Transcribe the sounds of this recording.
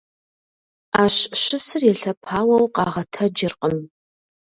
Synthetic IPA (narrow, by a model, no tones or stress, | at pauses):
aːɕɕɪsɨrjɛɬɐpʰaːwɐwqɑ̰ːʁɐtʰɐd͡ʒɪrqʼəm